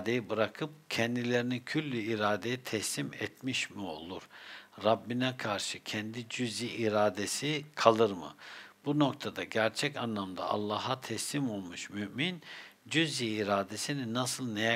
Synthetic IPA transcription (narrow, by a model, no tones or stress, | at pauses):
d̪e̞jibɯɾakʰɯp̚cʰɛnd̪ilʲe̞ɾinicʰylʲːyiɾaːd̪ejit̪ʰɛslimɛt̪miʃmio̞̰lˠuɾ̥ɾabːinɛkʰaɾʃɯcʰɛnd̪id͡ʒyzjiʔiɾaːd̪esikʰalˠɯɾmɯ̰b̥uno̞kt̪ʰad̪aɟæɾt͡ʃʰɛcanlˠamd̪a̰ʔa̰lˠːaːɦat̪ʰɛslimo̞lˠmuʃmyʔmind͡ʒyzjiːɾaːd̪esininasɯlˠnejɛ